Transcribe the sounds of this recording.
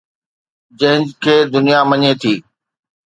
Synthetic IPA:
d͡ʑɐ̃ɦɪ̃nd͡ʑkʰeːd̪ʊnijaməɲet̪ʰiː

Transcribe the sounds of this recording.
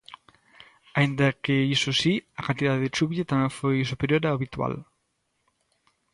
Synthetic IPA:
aind̪ɐkeisʊsiɐkant̪iðaðeðet͡ʃuβjet̪amɛ̃ŋfojsupeɾjoɾaːβit̪wa̰l

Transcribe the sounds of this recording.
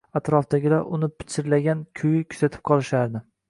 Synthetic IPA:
at̪ɾɒfd̪aɡʲɪlaɾʔʊnɪpʰɪ̥t͡ʃʰːɪɾlaɡʲankʲʰʊjɪkʲʰʊ̥z̥at̪ʰɪ̥p̚qʰɒlˠɪʃaɾd̪ɪ

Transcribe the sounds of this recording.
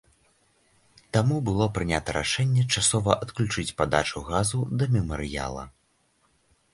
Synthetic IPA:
t̪amubɨlˠɔpɾɨnʲat̪ɐɾʔa̰ʂɛnʲːɛt͡ʂasɔvɐʔɐt̪klʲut͡ʂɨt͡sʲpad̪at͡ʂuɣazud̪ɐmʲɛmɐɾɨja̰lˠɐ̰

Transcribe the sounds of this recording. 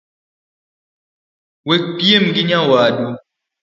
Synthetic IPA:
wek͡pjemɡiɲawaːdu

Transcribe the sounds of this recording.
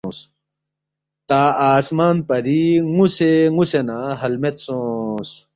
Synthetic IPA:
s | t̪aːaːsmaːnpɐɾiŋuseŋusenaɦɐlmet̪sõːs

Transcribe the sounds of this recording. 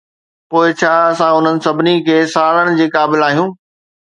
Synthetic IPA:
poːɪt͡ɕʰaːɐsãʊn̤ənɪ̆sɐbʱɪnikʰeːsaːɾəɽ̃ɪ̆d͡ʑeːkaːbɪlaːɦijũː

